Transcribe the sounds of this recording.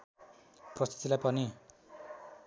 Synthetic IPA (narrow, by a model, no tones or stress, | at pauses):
prʌst̪ʰit̪ilajpʌni